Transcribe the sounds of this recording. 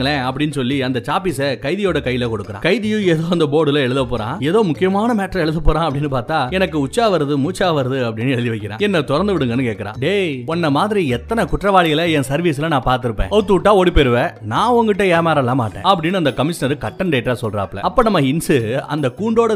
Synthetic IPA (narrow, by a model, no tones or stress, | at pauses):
ɐɭẽɐpːɐɽɪnːɯsɔlːiɐnd̪ɐt͡ʃaːpisekɐɪðɪjoːɽɐkɐjːɪlekɔɽɯkːɯɾã̰ːkɐɪðɪjʊ̃eːðoːɐnd̪ɐpoːɽɪlɐɛɭɯðɐpːoːɾã̰ːeːðoːmʊkːɪjɐmaːnɐmeːʈɾɐ̃ɛɭɯðɐpːoːɾãːɐpːɐɽɪnːɯpaːɾt̪aːɛnɐk̬ːɯʊt͡ʃːaːʋɐɾɐðɯmuːt͡ʃːaːʋɐɾɐðɯɐpːɐɽɪnːɯɛɭɯðiʋɐɪkːɪɾã̰ːɛnːɐt̪ɔɾɐnd̪ɯʋɪɽɯŋɡɐnːɯkeːʈkːɐɾã̰ːɖeːɔnːɐmaːðɪɾiɛt̪ːɐnɐkʊʈrɐʋaːɭɪɣɐlɐɛnsɐɾʋiːsɪlɐnãːpaːɾt̪ɯɾɯpːḛ̃ːɐt̪ːuːʈːaːɔɽipɛɾɯʋenãːɔŋɡɪʈːɐ̃eːɾmaːɾɐlːãːmaːʈːḛ̃ːɐpːɐɽɪnːɯɐnd̪ɐkɐmɪʂɐnɐɾɯkɐʈːɐɳɖeːʈːaːsɔlɾãːɐpːɭɐ̰ɐpːoːnɐmːɐɪnsɯɐ̰nd̪ɐkuːɳɖoːɽɐ